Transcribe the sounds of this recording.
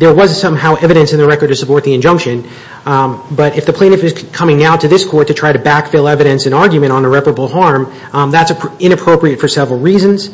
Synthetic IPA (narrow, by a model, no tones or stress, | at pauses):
ðə˞wʌzsʌ̃mɦaʊʔɛvɨɾɨ̃nsɨ̃nðɨɹɛkə˞d̚tɨsəpʰɔɹt̪̚ðiɨ̃nd͡ʒʌ̃mkʃɨ̃n | bʌɾɨfðɨpʰl̥ẽɪñɨfɨz̥kʰʌ̃mɪ̃ŋnaʊɾɨðɪskʰɔɹtʰɨtʰɹ̥aɪɾɨbækfɪlˠɛvɨɾɨ̃nsɨ̃nɑɹɡjʉmɨ̃ɾ̃nəɹɛpə˞əbl̩ˠɦɑɹm | ðætsɨɪ̃ɾ̃ɨpʰɹ̥oʊpɹiɨtfə˞sɛvɹl̩ˠɹizɨ̃nz̥